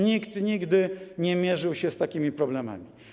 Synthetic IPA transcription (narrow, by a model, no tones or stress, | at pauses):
ɲikt̪ɲiɡd̪ɘɲɛmʲjɛʐɘwɕɛst̪akʲimʲipɾɔblɛma̰mʲi